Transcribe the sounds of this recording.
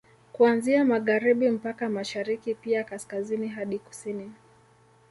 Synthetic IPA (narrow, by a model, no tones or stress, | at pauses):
kuanziamaɣaɾiɓim̩pakamaʃaɾikipiakaskaziniɦaɗiku̥sini